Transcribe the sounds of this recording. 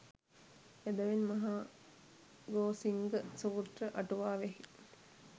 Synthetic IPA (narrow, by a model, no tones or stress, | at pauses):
ed̪əʋenmɐɦa | ɡoːsiŋɡəsuːt̪rəʔɐʈuʋaːʋeɦi